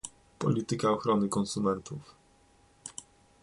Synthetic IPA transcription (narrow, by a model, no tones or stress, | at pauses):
pɔ̰lʲit̪ɘkaɔxɾɔnɘkɔnsumɛnt̪uf